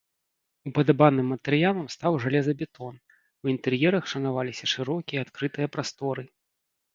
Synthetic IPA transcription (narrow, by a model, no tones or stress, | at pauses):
upɐd̪abanɨmːɐt̪ɛɾɨjalˠɐmst̪awʐalʲɛzɐbʲɛt̪ɔn | uint̪ɛrjɛɾɐxʂɐnavalʲisʲɐʂɨɾɔkʲiɛat̪kɾɨt̪ɨjɐpɾast̪ɔɾɨ